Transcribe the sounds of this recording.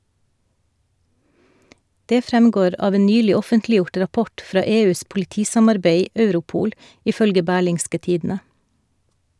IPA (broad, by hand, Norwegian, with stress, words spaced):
ˈdeː ˈfɾɛmɡoːɾ ˈɑːʋ ˈeː ˈnyːlɪ ˈɔfəntlɪˌjʊʈ ɾɑˈpɔʈ ˈfɾɑː ˈeːˌʉːs pʊlɪˈtiːsɑmɑɾˌbeɪ ˈœʉɾʊˌpuːl ɪˈfœlɡə ˈbæːɭɪŋskə ˈtiːdn̩ə